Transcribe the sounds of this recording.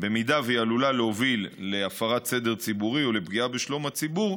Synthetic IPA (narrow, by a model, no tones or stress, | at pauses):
be̞mid̪avejalulaleovilːe̞afaʁat̪sed̪e̞ʁt͡sibuʁio̞le̞bɡiabeʃlo̞mhat͡sibuʁ